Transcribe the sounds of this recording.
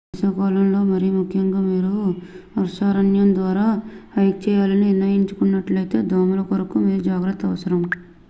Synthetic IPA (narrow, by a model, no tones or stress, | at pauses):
sɐkaːlɐmlo̞ːmɐɾijumukʰjɐŋɡaːmiːɾuɐɾʂaːɾɐnjɐnd̪ʋaːɾaːhɐjk̚t͡ʃɛːjaːlɐniniɾnːɐjiɲt͡ʃukunːɐʈlɐjt̪e̞ːd̪ʱaːmulɐkoɾɐkumiːɾud͡ʒaːɡɾɐt̪ːɐʋɐsɐɾɐm